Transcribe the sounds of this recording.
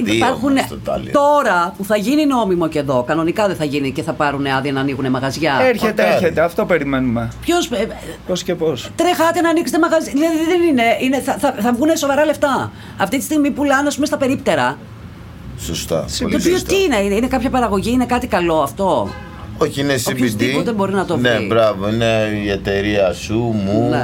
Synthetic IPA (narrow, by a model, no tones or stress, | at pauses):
ipɐɾxunt̪ɐ̰lt̪o̞ɾɐpuθɐʝinino̞mimo̞ceðo̞kɐno̞nikɐðeθɐʝiniceθɐpɐɾuneɐðiɐnɐːniɣune̞mɐɣɐzʝɐeɾçet̪eeɾçet̪eɐft̪o̞peɾimenumepço̞s | poscepost̪ɾexɐt̪enɐːnikset̪e̞mɐɣɐzjðilɐðiðiðenine̞ineθɐθɐθɐvɣuneso̞vɐɾɐle̞ft̪ɐ | ɐft̪it̪i̥st̪iɣmipulɐnɐspumest̪ɐpe̞ɾipt̪e̞ɾɐ | sost̪ɐ̰o̰lt̪opioiineinine̞kɐpçɐpɐɾɐɣo̞ʝiine̞kɐt̪ikɐlo̞ɐft̪o̞ | oçiinesoipist̪ioðembo̞ɾinɐt̪onebɾɐvoineiet̪e̞ɾiɐsumune